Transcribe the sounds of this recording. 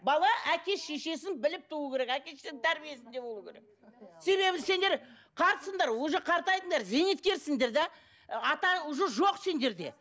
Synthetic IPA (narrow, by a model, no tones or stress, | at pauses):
bɑlˠɑʔækʲe̞ʃe̞ʃe̞s̬ɪnbɪlɪp̚t̪ʰuuəkʲʰe̞ɾe̞kækʲe̞ʃesɪnt̪ʰæɾbije̞sɪnd̪e̞bo̞lˠukʲeɾek̚ | se̞βe̞bɪse̞nd̪eɾ | qʰɑɾsəɴd̪ɑɾwoʒəqʰɑɾt̪ɑjd̪əɴd̪ɑɾzenet̪̚kʲe̞ɾsɪŋd̪e̞ɾd̪ɑ | ɑt̪ɑʊʒəʒo̞qse̞nd̪e̞ɾd̪e̞̰